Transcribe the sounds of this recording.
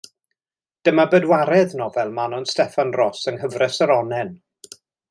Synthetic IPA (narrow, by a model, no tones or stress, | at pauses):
d̥əmabədwaɾɛðnɔvɛlˠmanɔnstɛfanrɔsənɦəvrɛsəɾɔnɛn